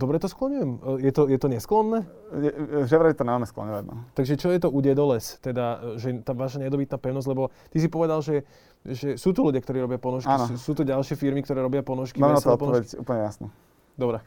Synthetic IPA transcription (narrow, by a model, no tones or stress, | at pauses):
d̪ɔbɾɛt̪ɔsklɔɲujɛmjɛt̪ɔjɛt̪ɔɲɛsklɔnːɛː | jɛʒɛʋɾaɛt̪ɔnamɛsklɔ̰ɲɔʋaɟnɔ̰t̪aɡʒɛt͡ʃɔjɛt̪ɔʔuɟɛd̪ɔlɛst̪ɛd̪aʒɛt̪aːʋaːʃaɲɛd̪ɔbit̪naːpɛʊnɔzɟʲlɛbɔt̪isipɔʋɛd̪alʒɛ | ʒɛsuːt̪uluɟjakt̪ɔɾiːɾɔbɪapɔnɔʃkaiːnɔsuːt̪uɟalʃɪɛfiɾmikt̪ɔɾɛːɾɔbɪapɔnɔʃkiamɛnatsɔɔt̪pɔɔʋɛcṵːpl̩ɲɛjasnu | d̪ɔbɾɛ